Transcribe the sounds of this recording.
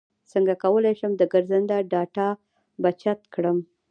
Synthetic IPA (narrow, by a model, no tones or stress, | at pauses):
t͡səŋɡakawəlajʃəmd̪əɡəɾzand̪aɖɑʈɑ | bat͡ʃat̪kɽəm